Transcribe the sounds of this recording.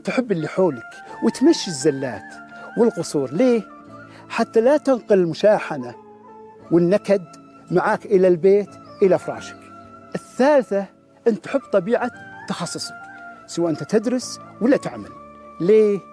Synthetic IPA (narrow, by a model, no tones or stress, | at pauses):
t̪ħɪbːɪlːiħoːlak | wɪt̪maʃːɪzːalːa̰ːt̪wɪlqʊsˤuːɾˤleː | ħat̪ːalat̪ʊnqʊlɪlmʊʃaːħana | wɪnːakad̪ | maʕaːkʔɪlalbeːt̪ʔɪlafɾˤɑ̰ːʃḁkʔɪθːaːlθa | ʔɪnːt̪ːʊ̥ħɪbːt̪ˤɑbiːʕat̪ːɑxɑsˤːʊsˤɑksawaʔɪnt̪at̪ɪd̪ɾɪswɪlːat̪ɪʕma̰lleː